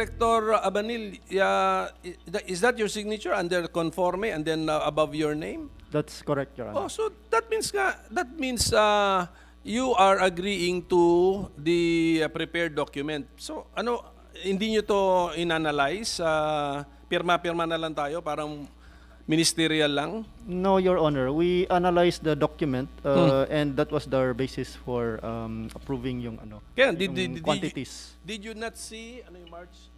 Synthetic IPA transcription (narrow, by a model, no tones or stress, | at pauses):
ɛk̚t̪oɹɐbɐnila | ɪsd̪ɐt̪̚jɔɹsɪɡ̚nɪt͡ʃʊɹɐnd̪ɛɹkɔnfoɹmiɛnd̪ɛnaʔɐbavjɔɹnẽjmd̪at̪skɔɾɛk̚t̪o̰osod̪ɐt̪̚minsŋad̪ɐt̪̚minsa | juʔaɹɐɡɾiɪ̃ŋt̪ud̪ɐpɾɪpɛɹd̪d̪okjʊmɛ̃nt̪̚so̞ʔɐno | hɪnd̪iɲot̪oɪnanɐlajsa | pɪɾmapɪɾmanɐlaŋt̪aːjo̞paːɾɐŋ | mɪnɪst̪ɛɾiɐlːaŋnojɔɹʔonɛɹwiʔanɐlajsd̪ɐd̪okjʊmɛ̃nt̪aʔɛ̃nd̪ːat̪̚wɐsd̪ɐɹbejsɪsfɔɹamʔɐpɹuːvɪ̃ŋjʊŋɐ̰nokɐjand̪ɪʊd̪dwãnt̪ɪt̪isd̪ɪd̪junɐt̪siɐnojʊŋmaɹt͡ʃ